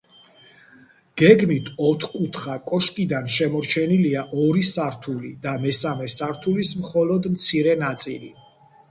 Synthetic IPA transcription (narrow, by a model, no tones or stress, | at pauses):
ɡ̥ɛɡmit̪ʰɔt̪ʰkʼut̪ʰχakʼɔʃkʼid̪anʃɛmɔɾt͡ʃʰɛniliaʔɔɾisaɾt̪ʰulid̪amɛsamɛsaɾt̪ʰulismχɔlɔd̪mt̪sʰiɾɛnat̪sʼilḭ